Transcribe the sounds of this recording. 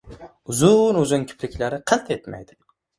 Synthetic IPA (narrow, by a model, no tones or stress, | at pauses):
ʊzʊnʊzɪŋkʲʰɪ̥pʰɾɪkʲlaɾɪqʰɨt̪ʰet̪ma̰jd̪ɪ̥